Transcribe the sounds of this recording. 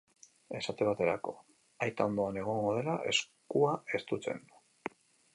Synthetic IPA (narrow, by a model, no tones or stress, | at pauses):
e̞sat̪e̞β̞at̪e̞ɾako̞ | ajt̪ao̞nd̪o̞ane̞ɣ̞o̞ŋɡo̞ð̞e̞laʔe̞skuae̞st̪ut͡se̞̰n